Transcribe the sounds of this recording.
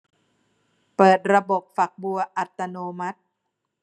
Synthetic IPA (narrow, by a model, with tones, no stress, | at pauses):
pɤː˨˩t̪̚ɾa˧bo˨˩p̚fa˨˩k̚bu˧ɐʔa˨˩t̪ːa˧noː˧ma˦˥t̪̚